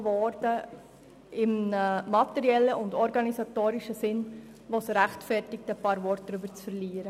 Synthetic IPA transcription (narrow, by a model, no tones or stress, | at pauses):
ʋɔɾdə | ɪmmɑtɛɾiɛlːəʔʊndɔɾɡɑnisɑtoːɾɪʃəsɪn | ʋosɾæχtfɛrtɪk̚tɛpɑːɾvɔɾt̚d̥̪ɾybəɾt͡sfəɾliːəɾə